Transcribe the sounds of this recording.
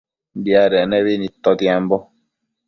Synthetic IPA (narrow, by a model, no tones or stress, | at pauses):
n̩diaɾɛnɛβenitɔdiambɔ